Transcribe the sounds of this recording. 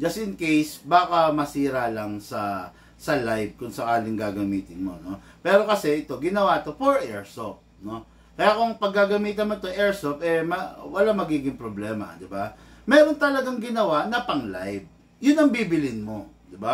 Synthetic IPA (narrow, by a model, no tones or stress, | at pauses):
d͡ʒɐst̪ɪnkejsbaːkɐmɐsiːɾalɐŋsɐ | sɐlajb̚kʊŋsɐkaːlɪŋɡaːɡɐmiːt̪ɪnmo̞̰no̞ | pɛːɾo̞kɐsɛʔɪt̪o̞ɡɪnɐwat̪o̞foɹʔɛɹsop̚no̞ | kɐjakʊŋpɐɡ̚ːaɡɐmiːt̪ɐnmoɪt̪oʔɛɹsopɛmɐwɐlamɐɡiːɡɪŋpɾoblɛːmɐ̰d̪ɪbamɛːɾo̞nt̪ɐlɐɡaŋɡɪnɐwanɐpɐŋla̰jv̚ | jʊnɐŋbiːbɪlɪnmo̞d̪ɪba